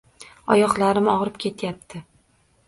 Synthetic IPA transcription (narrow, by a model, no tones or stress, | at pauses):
ɒ̰jɒχlˠaɾɪmɒʁɾɪpkʲʰe̞t̪ʰjap̚t̪ʰɪ